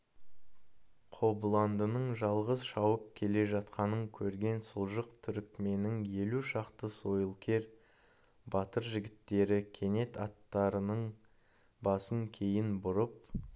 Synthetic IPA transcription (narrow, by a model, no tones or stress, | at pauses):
qʰo̞bəlˠɑnd̪ənəɴʒɑlˠʁəzʃɑwəp̚kʲʰe̞le̞ʒɑt̪qɑnəŋkʲʰɵɾɡʲe̞nsulˠʒəqt̪ʰʏɾɪkʲme̞nɪŋje̞luʃɑqt̪əso̞jəlˠkʲʰe̞ɾ | bɑt̪əɾʒɪɡʲɪt̪ːe̞ɾɪkʲʰe̞ne̞t̪ɑt̪ːɑɾənəɴ | bɑsəŋkʲʰe̞jɪnbʊɾəp